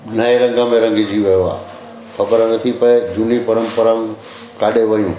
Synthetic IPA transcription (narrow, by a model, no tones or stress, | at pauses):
nɐɦeɾɐ̃ŋɡə̃mẽɾɐ̃ŋɡɪd͡ʑiʋɐjoa̰ː | xɐkəɾnɐt̪ʰipɐed͡ʑunipɐɾəmpəɾəm | kaːɗeʋɐjũː